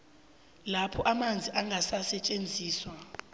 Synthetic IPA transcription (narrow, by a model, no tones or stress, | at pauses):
lapʰɔʔamand͡zʱiʔaŋʱasasɛt͡ʃʼend͡zʱiːswa